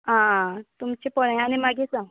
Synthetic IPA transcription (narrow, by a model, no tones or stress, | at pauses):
ãt̪umt͡ɕepɔɽaj̃añimaɡet͡sa